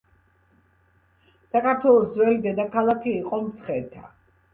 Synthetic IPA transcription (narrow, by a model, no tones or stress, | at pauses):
sakaɾt̪ʰwɛlˠɔsd̪zwɛlid̪ɛd̪akʰalˠakʰiːqʼɔmt̪sʰχɛt̪ʰa